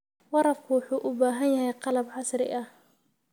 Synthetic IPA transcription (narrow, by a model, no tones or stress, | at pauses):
wɑɾɑfkʰʊwʊħuːʔʊbaːɦɐnjɐɦɛjqɑlɐbʕɑsɾɪ̰ʔɐh